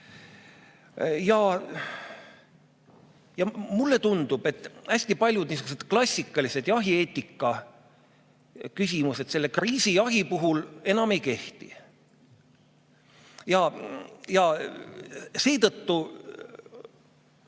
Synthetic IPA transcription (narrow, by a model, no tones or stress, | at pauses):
jɑ | jɑmulːe̞t̪und̪̥ub̥e̞t̪ːˑæsʲt̪ipɑlʲjud̪̥niːs̬uɡ̥us̬et̪klɑsʲːikːˑɑlise̞d̪jɑɦie̞ːt̪ʲˑːikˑːɑ | kys̬ʲimuse̞t̪se̞lːekriːsijɑɦipuɦule̞nɑme̞jke̞ht̪ḭ | jɑjɑ | se̞ːt̪ɤt̪ːu